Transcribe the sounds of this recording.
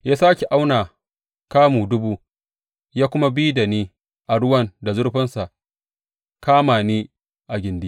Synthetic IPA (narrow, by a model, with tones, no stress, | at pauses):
jaː˦saː˦kʲe˨ʔa˦wnaː˨ | kaː˦muː˨dʊ˦buː˦ | jaː˦kʷʊ˦ma˦biː˦da˨niː˦ | ʔa˨ɽʊ˦wɐ˦nda˨zʊ˦ɽɸɪ˦nsa˨ʔ | kaː˦maː˨niː˦ | ʔa˨ɡʲɪ˨ndi˦